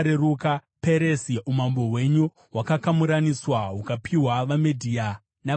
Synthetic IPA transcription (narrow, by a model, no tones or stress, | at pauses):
ɾeɾukape̞ɾesiumambo̞ɦwe̞ɲu | wakakamuɾaniswaɦukapʰiwaʋamedʱiːa | na